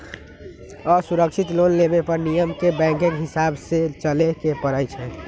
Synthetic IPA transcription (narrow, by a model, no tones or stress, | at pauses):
ɔːɾsuɾəkʃʰit̪lonlebepəɾnijəmkebɛ̃ŋkeŋɦɪsabset͡ʃəlekepəɾəjt͡ʃʰɛ